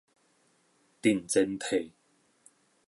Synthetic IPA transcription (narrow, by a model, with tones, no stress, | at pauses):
t̪i˨˩nt͡sɪ˧˥ŋt̪ʰe˨˩j